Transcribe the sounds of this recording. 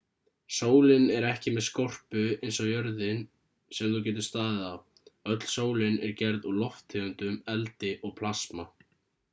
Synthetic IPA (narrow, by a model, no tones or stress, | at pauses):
soːwlɪnɛɾɛhcɪmɛðskɔr̥pʏejnsɔɣjœɾðɪn | sɛmθucɛːt̪̬ʏst̪aːðɪðav | œt̪l̥soːwlɪnɛɾcɛɾðulɔft̪ʰːɪʏnt̪ʏmɛlt̪ɪʔɔɣpʰl̥asma